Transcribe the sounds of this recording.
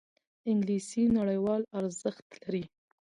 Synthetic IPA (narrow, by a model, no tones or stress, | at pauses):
ɪŋɡlisinaɽəjwɑlaɾzəxt̪laɾi